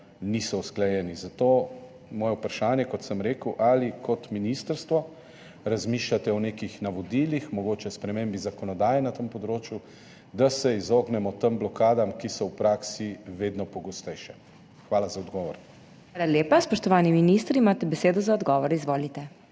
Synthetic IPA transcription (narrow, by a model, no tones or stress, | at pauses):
nisɔusklajɛːnizat̪oː | mɔːjɛupɾaʃaːnjɛkɔt̪səmɾeːkəwʔalikʰɔt̪minist̪əɾst̪ʋɔ | ɾazmiːʃlat̪ɛɔnekixnaʋɔd̪ilixmɔɡoːt͡ʃɛspɾɛmembizakɔnɔd̪aːjɛnat̪əmpɔd̪ɾoːt͡ʃju | d̪asɛizoːɡnɛmɔt̪əmblɔkaːd̪amkisɔwpɾaːksiʋeːd̪nɔpɔɡɔst̪ɛjʃɛ | xʋaːlazaɔd̪ɡɔːʋɔ̰ɾ | aːlaljeːpaspɔʃt̪ɔʋaːniminist̪ɾiimat̪ɛbɛseːd̪ɔzaɔd̪ɡɔʋɔɾizʋoːlit̪ɛ